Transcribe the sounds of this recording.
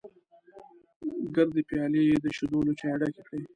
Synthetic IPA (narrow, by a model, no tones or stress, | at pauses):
ɡaɾd̪epjɑlejed̪əʃud̪olot͡ʃɑaɽakekɽe